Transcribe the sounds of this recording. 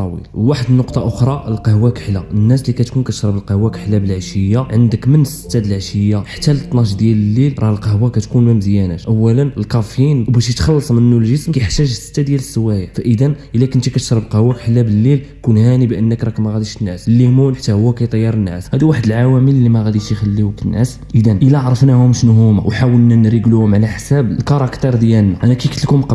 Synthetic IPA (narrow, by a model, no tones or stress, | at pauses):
ɑwḭlwaħəd̪nːoqt̪ˤɑʔoxɾˤɑʔəlqəhwækħlːaənːæslikæt̪kunkæt̪ə̥ʃɾˤɑbəlqəhwːækħlːæbəlʕaʃəjːaʕənd̪əkmənəsːə̥t̪ːæd̪əlʕaʃəjːaħḁt̪ːælt̪ˤːnɑʃd̪jæləlːilɾˤɑlqɑhwakæt̪kunməmzjænæt̪ʔəwːælənəlkɑfjinbæʃjət̪xɑlːɑsˤmənənːulʒəsmkæjəħt̪æʒəsːə̥t̪ːæd̪jæləsːəwæjafæʔəd̪ænʔəlːækənt̪ikæt̪ə̥ʃɾˤəbqɑhwækħəlːæbəlːil | kunhænibʔənːəkɾˤɑkmæɣæd̪iʃnːæsəlːimunħat̪ːæhʊwːækæjt̪ˤɑjːɑɾˤənːæ̰shæd̪iwaħəd̪əlʕawæməllːimæɣæd̪iʃjxælːiwkənːʔæ̰s | ʔəd̪ænʔəlːæʕɾˤɑfnæhʊmʃnɦuma̰wħawəlnænɾəɡluhʊmʕlæħsæbəlkɑɾˤɑkt̪ˤəɾˤd̪jælnæʔænækæjkət̪lkʊmq